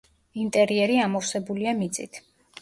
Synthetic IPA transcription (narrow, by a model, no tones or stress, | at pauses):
int̪ʼɛɾiɛɾiamɔfsɛbuliamit̪sʼḭt̪ʰ